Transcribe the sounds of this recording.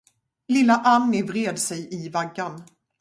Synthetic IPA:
lɪlːaʔanːɪvɾeːd̪sɛjʔɪvaɡːan

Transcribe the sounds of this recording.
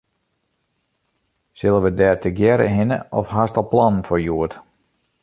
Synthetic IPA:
sɪlˠəʋədɛːtʰəɡjɛɾə̰ɦɪnə̰ʔɔfhastɔlˠplɔnn̩fɔɹjuət

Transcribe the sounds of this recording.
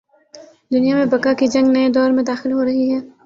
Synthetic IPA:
d̪ʊnijamẽbɐkakid͡ʒɐ̃ŋɡnɐed̪ɔːɾmẽd̪aːxɪlɦoɾɐɦiɦɛː

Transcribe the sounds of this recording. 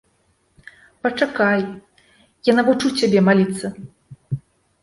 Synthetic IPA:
pɐt͡ʂakaj | janavut͡ʂut͡sʲabʲɛmalʲit̪sːɐ

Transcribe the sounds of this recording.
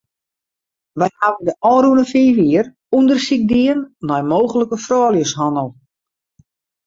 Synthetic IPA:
ʋɛjhaʋəndəʔɔːɾuənəfiːʋiər | undərsik̚diənːɔjmoːɣələkəfrɔːlˠjəshɔnəlˠ

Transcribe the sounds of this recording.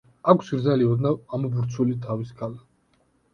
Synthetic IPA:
akʰsɾdzaliɔd̪naamubuɾt̪sʰulit̪ʰaviskʰala

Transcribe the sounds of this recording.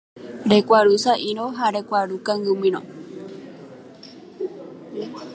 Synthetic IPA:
ɾekʷaɾusaʔiɾõɦaɾekʷaɾukaŋɡɨmĩɾõ̰

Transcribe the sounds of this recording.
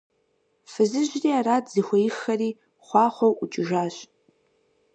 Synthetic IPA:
fɨzɨʒriːaɾaːtzixʷɐjɪxːɐriː | χʷɑːχʷɐwʔʊt͡ʃʼɪʒaːɕʼ

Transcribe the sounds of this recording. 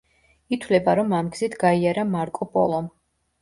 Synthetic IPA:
it̪ʰwlɛbaɾɔmamɡzit̪ʰɡaiaɾamaɾkʼɔpʼɔ̰lˠɔm

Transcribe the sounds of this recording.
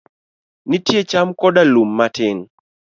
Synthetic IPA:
nɪtjet͡ʃamkɔdalumːatɪn

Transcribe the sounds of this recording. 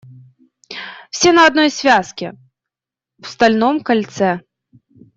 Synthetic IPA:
w̥sʲɛnɐad̪̚nɔjsʲvʲaskʲɪ | w̥st̪alʲnɔmkalʲt̪sɛ

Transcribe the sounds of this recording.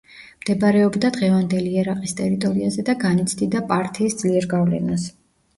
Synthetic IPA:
md̪̥ɛbɾɛɔbd̪ad̪ʁɛvand̪ɛliɛɾaqʼist̪ʼɛɾit̪ʼɔɾiazɛd̪aɡanit̪sʰd̪id̪apʼaɾt̪ʰiːsd̪z̥liɛɾɡavlɛ̰nas

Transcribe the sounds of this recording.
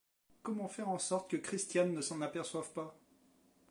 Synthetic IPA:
kɔmɑ̃fɛʁɑ̃sɔʁt̪kəkχist̪janːəsɑ̃napɛʁswavpa

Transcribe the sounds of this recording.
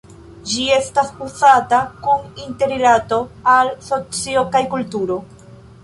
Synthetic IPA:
d͡ʒie̞staspusatakuninte̞ɾilato̞also̞t͡sio̞kajkultuɾo̞

